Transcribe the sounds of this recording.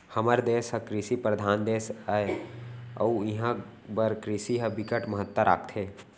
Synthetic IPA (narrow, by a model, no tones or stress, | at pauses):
həməɾd̪eːsɦəkɾisipɾəd̪ʱaːnd̪eːsae | ɐuɪɦã | bəɾkɾisiɦəbɪkəʈməɦət̪wəɾa̰ːk̚ʰt̪ʰɦeː